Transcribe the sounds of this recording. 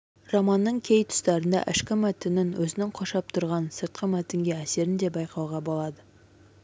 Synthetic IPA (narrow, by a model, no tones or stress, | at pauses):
romɑnːəɴkʲʰe̞jt̪ʰʊ̥st̪ɑɾənd̪ɑ̰ʔɪʃkʲɪmæt̪ɪnɪnwɵzɪnɪŋqʰoʃɑp̚t̪ʰʊɾʁɑnsəɾt̪̚qəmæt̪ɪŋɡʲe̞æse̞ɾɪnd̪e̞bɑjqʰɑwʁɑbo̞lˠɑd̪ə